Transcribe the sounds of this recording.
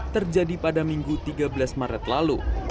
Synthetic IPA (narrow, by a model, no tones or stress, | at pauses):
t̪ərd͡ʒadipadamiŋɡut̪iɡabəlasmaɾət̪lalṵ